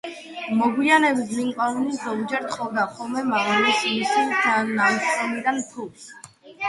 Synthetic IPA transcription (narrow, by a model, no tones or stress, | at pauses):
mɔɡwianɛbismiŋkʼanunizɔmd͡ʒɛɾt̪ʰʼχʰʼɔvd̪aχɔlˠmɛmaɔlismisianamsɔnid̪ant̪ʰus